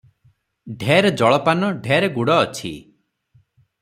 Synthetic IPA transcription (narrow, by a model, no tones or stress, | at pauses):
ɖʱeɾed͡ʒɔɭɔpanɔɖʱeɾeɡuɽɔːt͡ʃʰḭ